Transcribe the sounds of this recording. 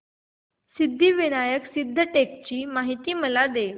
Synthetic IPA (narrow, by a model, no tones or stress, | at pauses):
sid̪ʱːiːʋiɽ̃ajəksid̪ʱːəʈek̚t͡ɕiːmaɦit̪iːməlad̪eʋ